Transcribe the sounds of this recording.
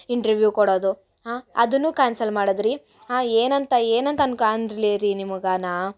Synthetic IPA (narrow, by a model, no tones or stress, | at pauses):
iɳʈɐɾʋjuːkɔɽoːd̪u | ɦaːɐ̰d̪unːuːkaːnsɐlmaːɽɐd̪ɾi | ɦaːeːnɐnt̪ɐeːnɐnt̪ɐnkand̪ɾiliɾinimuɡaːna